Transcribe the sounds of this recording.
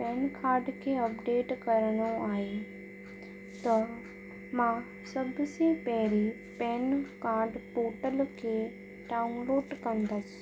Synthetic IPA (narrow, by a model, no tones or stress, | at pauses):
pɛːnkaːɾɖkʰeːɐpɖeːʈkɐɾəɽ̃õaːɦe | t̪ɐ | mã | sɐbʱsẽpɐɦɪɾi | pɛːnkaːɾɖpoːʈəlkʰeː | ɖaːunloːɖkɐ̃nd̪əsɪ̥̆